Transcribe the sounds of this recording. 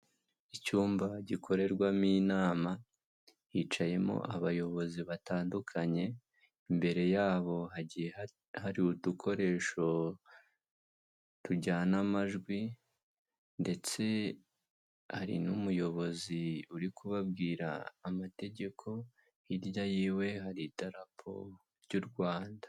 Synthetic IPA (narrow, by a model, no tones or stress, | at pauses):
icuːmbaɟikʰo̞ɾe̞ɾɡwamiːnaːma | hit͡ʃaje̞mo̞̰ʔaβajo̞βo̞ziβataːndukʰaɲe̞ | imbe̞ɾe̞jaːβo̞ɦaɟie | haɾiutukʰo̞ɾe̞ːʃo̞ | tuɟanamaʒɡwi | nde̞t͡se̞ | ha̰ɾḭnumujo̞βo̞ziuɾikʰuβabɡiːɾa̰ːmate̞ɟe̞kʰo̞ | iɾjajiːwe̞ɦaɾitaɾapʰo̞̰ | ɾɟuɾɡwaːndḁ